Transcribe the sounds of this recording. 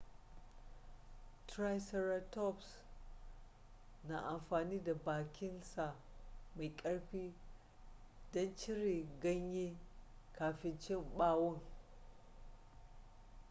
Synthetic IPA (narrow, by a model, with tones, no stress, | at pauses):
tɾa˦jsɛ˦ɾa˦tɔ˦˨ps | na̰˨ʔa˨mɸaː˨niː˦da˨baː˨kʲɪ˦nsa˨ʔ | ma˨jkʼɐ˦ɽɸiː˦ | dɔ˦nt͡ʃɪ˦ɾeː˨ɡɐ˦ɲji˦kaː˨ɸɪ˦nt͡ʃɪ˦mɓaː˦wɔ˦ŋ